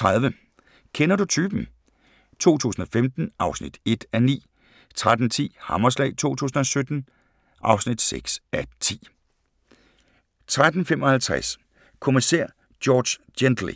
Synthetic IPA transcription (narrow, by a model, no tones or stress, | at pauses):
t͡sʰʁɑðˠʋə | kʰenɐdut͡sʰyːb̥n̩ | t͡sʰo̝̰ːt͡sʰṵːsn̩ɒ̽femd̥n̩ʔɑ̈ʊsnḭd̥e̝d̥ænḭː | t͡sʰʁad̥n̩t͡sʰḭːhɑmɐslɛ̰ːɪt͡sʰo̝̰ːt͡sʰṵːsn̩ɒ̽sød̥n̩ | ʔɑ̈ʊsnid̥seɡ̥sæt͡sʰḭː | t͡sʰʁad̥n̩femɒ̽hælt͡sʰʁæ̰s | kʰo̝miseɐ̰ | d̥jɒːd̥sjend̥l̩ḭ